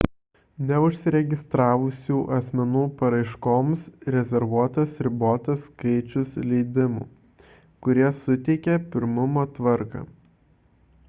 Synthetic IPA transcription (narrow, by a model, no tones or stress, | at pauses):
nʲɛʊʃʲsʲɪɾʲɛɡʲɪst̪ɾɑːʋʊsʲuːʔɐsʲmʲɛnuːpɐɾɐɪʃkoːmsɾʲɛzʲɛɾʋuɔt̪ɐsɾʲɪboːt̪ɐskɐɪt͡ʃʲʊslʲɛɪd̪ʲɪmṵː | kʊɾʲiɛsʊt̪ʲɛɪkʲɛpʲɪɾmʊmoːt̪ʋɐɾkɑ̰ː